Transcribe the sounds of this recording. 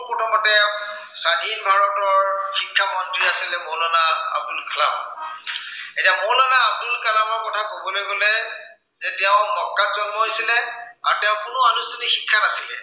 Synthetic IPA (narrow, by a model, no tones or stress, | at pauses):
pɔtʰɔmɔtɛ | sadʱinbʱaɹɔtɔɹxikʰːamɔnduiasilɛmolɔnaa̰b̚dulkʰla̰m | etiamʊlɔnaːb̚dulkalamɔɹkɔtʰakobɔlojɡolɛ | zɛtɛʊ̃mɔkːazɔnmɔɦojsilɛa̰ɹtɛʊ̃kʊnʊanustunixikʰːanasilɛ